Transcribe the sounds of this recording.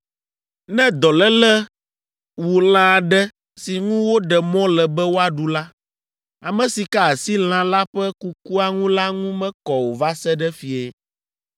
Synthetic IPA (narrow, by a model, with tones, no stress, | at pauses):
nɛ̃˦d̪ɔ˨lɛ˦lɛ˦ | wu˨l̃ã˨ɖɛ˦ | si˨ŋũ˦wo˦ɖɛ˨mɔ̃˦lɛ˨bɛ˦wo˦a˦ɖu˨la˦ | a˨mɛ̃˨si˨ka˦˨si˦l̃ã˨la˦ɸɛ˦ku˦ku˦a˨ŋũ˦la˦ŋũ˦mɛ̃˦kɔ˨wo˨va˦sɛ˦ɖɛ˦fi˨e˦